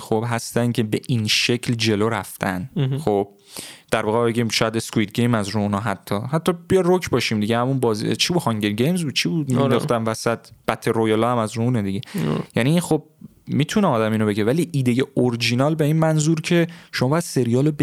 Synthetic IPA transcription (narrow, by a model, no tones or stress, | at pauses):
xob̥ɦæst̪æncʰe̞be̞ʔinʃecʰld͡ʒe̞loɾæft̪ʰæ̰nxob̥̚ | d̪̥æɾvɒːɣeɒbe̞ɟimʃɒjæd̪eskuiːt̪̚ɡejmæzruunɒɦæt̪ʰːɒːhæt̪ʰːɒb̥ijɒjd̪rokʰbɒːʃimd̪iɟehæmunbɒːzḭt͡ʃʰibud̪hɒŋɟelɟejmzbuːd̪̚t͡ʃʰibud̪mid̪ɒ̰χt̪æmvæsæt̪̚ʰb̥æt̪ʰːe̞ɾojɒlɒːhæmæzɾuuned̪iɟe̞jæniːnxob̚ | miːt̪ʰuneɒːd̪æmiːnobe̞ɟevæliːʔiːd̪eje̞oɾd͡ʒinɒlbeiːnmænzuɾcʰe̞ʃomɒːbːjæd̪̥se̞ɾijɒːlob